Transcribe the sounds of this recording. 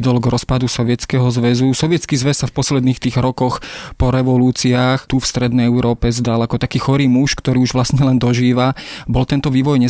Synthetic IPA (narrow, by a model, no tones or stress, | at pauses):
d̪ɔlɡɾɔspad̪usɔʋɪɛt͡skɛɦɔzʋɛzusɔʋɪɛt͡skiːzʋɛsːafpɔslɛd̪niːxt̪iːɣɾɔkɔxpɔɾɛʋɔluːt͡siaːxt̪ufst̪ɾɛd̪nɛjɛʊɾɔːpɛzd̪alakɔt̪akiːxɔɾiːmuʃkt̪ɔɾiːuʒʋlasɲɛlɛnd̪ɔʒiːʋabɔlt̪ɛnt̪ɔʋiːʋɔjɲɛ